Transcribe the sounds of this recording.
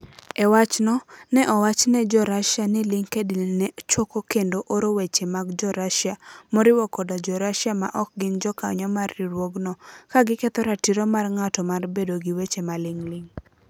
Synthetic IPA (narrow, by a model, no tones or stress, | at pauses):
ɛwat͡ʃnɔnɛʔɔwat͡ʃnɛd͡ʒɔɾaʃjanɪlɪŋkedɪlnɛt͡ʃokokendoʔoɾowet͡ʃemaɡd͡ʒɔɾaʃjamoɾɪwɔkɔdad͡ʒɔɾaʃjama̰ʔɔk̚ɡɪnd͡ʒɔka̰ɲɔmarːɪɾwoɡnɔkaɡɪkɛt̪ɔɾatiɾɔmarŋatɔmarbedoɡiwet͡ʃemalɪŋlɪŋ